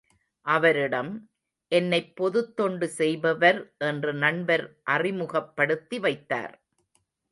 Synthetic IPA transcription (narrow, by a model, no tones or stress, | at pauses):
ʔɐʋɐɾɪɽɐm | ʔɛnːɐɪpːɔðɯt̪ːɔɳɖɯsɛjbɐʋɐɾʔɛndrɯnɐɳbɐɾʔɐrɪmɯɣɐpːɐɽɯt̪ːiʋɐɪt̪ːa̰ːɾ